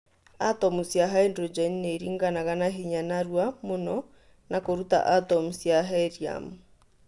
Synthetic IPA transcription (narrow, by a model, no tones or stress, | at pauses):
atɔmusjaɦaendɾɔd͡ʒɛnneɾiŋɡanaɣanaɦiɲanaɾwamonɔ | nakoɾuta̰ʔatɔmusjaɦɛɾia̰mu